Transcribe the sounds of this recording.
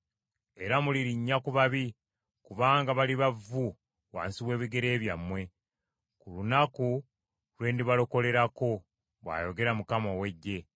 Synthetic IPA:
e̞ɾamuliɾiɲːakuβaβi | kuβaːŋɡaβaliβavːu | wa̰ːnsiβwe̞ːβiɡe̞ɾe̞ːβjamːwe̞ | kulunaku | lwe̞ːndiβaloko̞le̞ɾako̞ | βwa̰ːjo̞ɡe̞ɾamukamowe̞ɟːe̞

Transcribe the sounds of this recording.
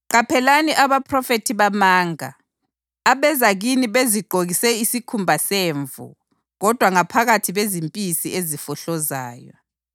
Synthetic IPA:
ǃapʰɛlaniʔaβapʰrɔfetʰiβamaːŋa̰ː | βɛzaɣ̬iniβeziɡ͡ǃʱoɣisɛisikʰumbʱaseːɱvṵ | ɣɔd̥ʱwaŋapʰaɣatʰiβezimpʼisiezifɔɬɔza̰ːjɔ̰

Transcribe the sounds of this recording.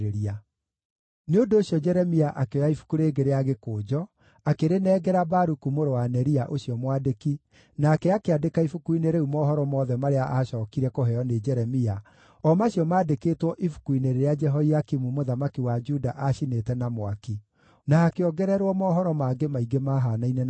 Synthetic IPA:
ɾeɾia | neondooɕjɔd͡ʒɛɾɛmiaʔakeɔjaifu̥kuɾeːɡeɾeaɣekoːd͡ʒɔ | akeɾenɛːɡɛɾabaɾukumoɾowanɛɾiaʔoɕiɔmwadeki | naːkɛakeadekaifukuineɾeumɔːɦɔɾɔmɔðɛmaɾeaʔaʃɔːkiɾɛkoɦɛɔned͡ʒɛɾɛmia | ɔmaɕiɔmaːdekeːtwɔʔifu̥kuineɾeɾead͡ʒɛɦɔiakimumoðamakiwad͡ʒudaʔaʃinetɛnamwaki | naːkeɔɡɛɾɛɾwɔmɔːɦɔɾɔmaɡemaiɡemaɦanainɛ

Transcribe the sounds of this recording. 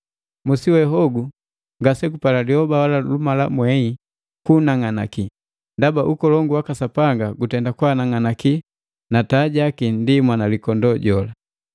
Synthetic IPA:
musiwɛɦɔɡu | ŋɡasɛkupalaliɔbawalalumalamwɛi | kunaŋana̰ki | ndabaʔukɔlɔŋɡuwakasapaŋɡaɡutɛndakwanaŋanaki | nataɟakindimwanalikɔndɔɟɔla

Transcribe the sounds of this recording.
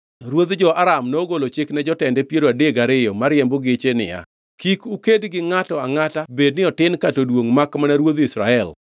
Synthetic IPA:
ɾwod̪d͡ʒɔʔaɾamnoɡolot͡ʃɪknɛd͡ʒɔtɛndɛpjeɾoadeɡaɾɪjɔmaɾjɛmbɔɡɪt͡ʃenɪ̰ja̰ | kikukedɡɪŋatɔaŋatabednɪɔtɪnkatodwoŋmakmanaɾwod̪isɾaɛl

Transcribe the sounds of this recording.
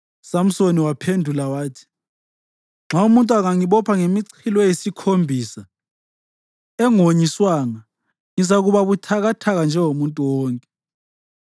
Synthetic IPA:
sam̩soniwapʰendʱulawaːtʰi̥ | ŋ͡ǁʱaumuntʼuaɣaŋiɓɔpʰaŋemiǀʰilɔjesikʰombʱisa | ɛŋoɲiswaŋa | ŋizaɣuɓaβutʰaɣatʰaɣ̬and͡ʒʱɛŋomuntʼuwɔːŋkʼɛ

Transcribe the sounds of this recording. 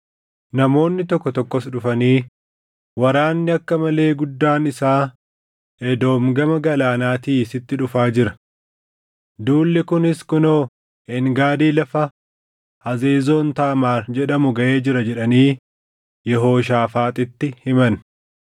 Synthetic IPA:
nɐmo̞ːnːɪt̪ɔkːɔt̪ɔkːɔsᶑʊfɐniː | wɐɾaːnːɪɐkːɐmɐle̞ːɡʊd̪ːaːnɪsaː | ɛd̪o̞ːmɡɐmɐɡɐlaːnaːt̪iːsɪt̪ːɪᶑʊfaːd͡ʒɪɾɐ̥ | d̪uːlːɪkʊnɪskʊnoː | ɪŋɡaːd̪iːlɐfɐ | hɐze̞ːzoːnt̪aʔɐmaːd͡ʒɛᶑɐmʊɡɐʔe̞ːd͡ʒɪɾɐd͡ʒɛᶑɐniː | jɛɦo̞ːʃ̬aːfaːt̪ʼɪt̪ːɪhɪmɐn

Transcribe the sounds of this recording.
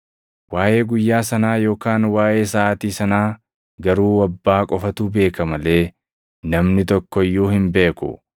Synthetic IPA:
waːʔe̞ːɡʊjːaːsɐnaːjo̞ːkaːnwaːʔe̞ːsaːʔɐt̪iːsɐnaː | ɡɐɾuːwɐbːaːkʼɔfɐt̪uːbe̞ːkɐmɐle̞ː | nɐmnɪt̪ɔkːɔɪjːuːhɪmbe̞ːkʊ̰

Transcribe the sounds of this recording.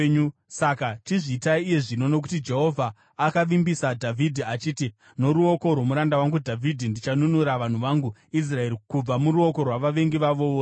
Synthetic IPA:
usakatiʐiːtaiːje̞ʐino̞no̞k̬utid͡ʒe̞ɦo̞vʱaː | kaʋimbisadʱavʱidʱiat͡ʃiːti | no̞ɾuo̞ko̞rwomuɾandawaŋɡudʱavʱidʱindit͡ʃanunuɾaʋan̤uʋaŋɡuis̬rae̞ɾikub͡vamuɾuo̞ko̞rwaʋaʋe̞ŋɡiʋaʋo̞

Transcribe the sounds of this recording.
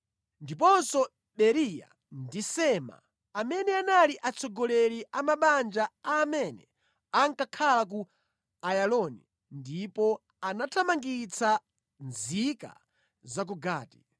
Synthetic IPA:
ndipɔnsɔ | ɓɛɾija̰ | ndisɛma̰ | amɛnɛanaliʔat͡sʰɔɡɔlɛliʔamaɓand͡ʒaaːmɛnɛ | aŋkakʰalak̬u | ajalɔni | ndipɔ | anatʰamaŋɡit͡sa | nzika̰ | zak̬uɡaːti̥

